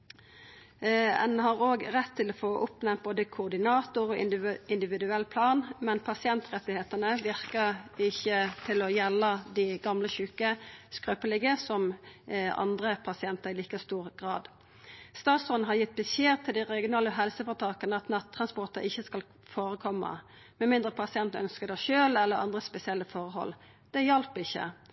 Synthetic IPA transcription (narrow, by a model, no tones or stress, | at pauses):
ɛ̰nhɑʁoːɡʁɛt̪ʰːɪlɔfoːʔʊpnɛnt̪̚boːd̪əkʰʊːʁd̪ɪnɑːt̪ʊʁɔɪɪnd̪ɪʋɪd̪ʉɛlːpʰlɑːnmɛnpʰɑsɪɛnt̪ʁɛt̪ɪheːt̪ənəʋɪʁkəɪçːət̪ʰɪlɔjɛlːəd̪iɡɑmləçʉːkəskʁøːpəlɪɡəsɔm | ɑ̰nd̪ʁəpʰɑsɪɛnt̪əʁɪliːkəst̪uːʁɡʁɑ̰ːd̪ | st̪ɑːt̪sɔn̩ɦɑʁjɪt̪̚ːbəseːʁt̪ʰɪld̪ɪʁɛɡɪʊnɑːlːəɦɛlsəfɔʁt̪ʰɑːkənəɑt̪nɑt̪ʰːʁɑnspɔʁt̪əɾɪçːəskɑl | foːʁəkʰɔmːə̰ | mɛnmɪnd̪ʁəpʰɑsɪɛnt̪nœ̰nskəd̪ɛʃøːlɛlːəʁɑ̰nd̪ʁəspɛsɪɛlːəfɔʁəhɔ̰lː | d̪̥ɛjɑlpɪçːə̰